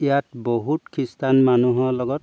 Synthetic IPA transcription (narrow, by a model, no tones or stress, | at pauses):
ijatboɦutkʰistanmanuɦɔlɔɡɔt̚